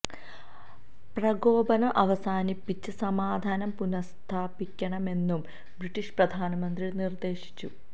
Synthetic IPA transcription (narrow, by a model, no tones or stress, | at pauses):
prɐɡo̞ːbɐnɐʔɐʋɐsaːnipːit͡ɕːɨsɐmaːd̪ʱaːnɐmpunɐst̪ʰaːpikʲːɐɳɐme̞nːum | briʈːiɕprɐd̪ʱaːnɐmɐnd̪riɭnird̪e̞ːɕi̥t͡ɕːu